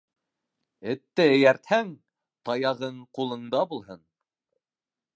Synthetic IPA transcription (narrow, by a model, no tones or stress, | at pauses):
ɘ̆t̪ːæɘ̆jæɾt̪hæŋ | t̪ɑjɑʁɤɴqulˠɤ̆ɴd̪ɑbulˠɦɤn